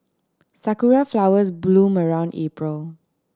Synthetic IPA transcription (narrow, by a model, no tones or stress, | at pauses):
sakuɹaflawəsblũməɹãʊ̃ndepɹəl